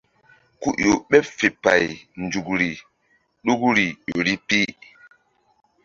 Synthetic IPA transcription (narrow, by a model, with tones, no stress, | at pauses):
ku˦ʔjo˨ɓɛ˦pfe˨pa˨jnd͡ʒu˨kɾi˨ | ɗu˦kɾi˨jo˨ɾi˦pi˦